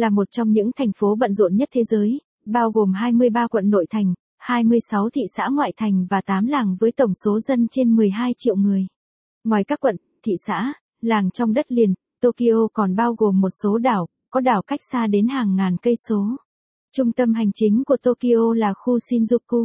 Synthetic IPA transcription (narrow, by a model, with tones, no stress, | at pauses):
laː˨˩mo˨˩t̚t͡ɕɔ˧wŋ͡mɲɨ̰˧˥ŋt̪ʰa˨˩jŋ̟fo˨˦ɓə̰˧˨nzṵ˧˨nɲə˦˥t̚t̪ʰe˨˦zəː˨˦j | ɓaː˧wɣo˨˩mɦaː˧jmɨ˧əjɓaː˧kwə̰˧˨nːo̰˧˨jt̪ʰa˨˩jŋ̟ | haː˧jmɨ˧əjsa˨˦wt̪ʰḭ˧˨sa̰ː˧˥ŋwa̰ː˧˨jt̪ʰa˨˩jŋ̟vaː˨˩t̪aː˨˦mlaː˨˩ŋvəː˨˦jt̪ə˨˩wŋ͡mso˨˦zə˧nt͡ɕe˧nmɨ˨˩əjɦaː˧jt͡ɕḭ˧˨əwmɨ˨˩əj | ŋwɔ˨˩jka˦˥kːwə̰˧˨n | t̪ʰḭ˧˨sa̰ː˧˥ | laː˨˩ŋt͡ɕɔ˧wŋ͡mɗə˦˥t̚li˨˩ən | t̪o˧ki˧ʔo˧kɔ˨˩nɓaː˧wɣo˨˩mːo˨˩t̚so˨˦ɗaː˨˩w | kɔ˨˦ɗaː˨˩wka˦˥jk̟̚saː˧ɗe˨˦nhaː˨˩ŋːaː˨˩nkə˧jso˨˦ | t͡ɕʊ˧ŋ͡mt̪ə˧mɦa˨˩jŋ̟t͡ɕï˨˦ŋ̟ku˧˩ət̪o˧ki˧ʔo˧laː˨˩xu˧si˧nzu˧p̚kːu˧